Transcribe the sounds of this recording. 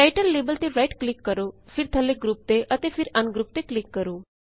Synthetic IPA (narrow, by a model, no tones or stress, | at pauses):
ʈajʈəlːebəlt̪eɾajʈklikːəɾofiɾt̪ʰəleɡɾup̚t̪eət̪efiɾɐnɡɾup̚t̪eklikːəɾũː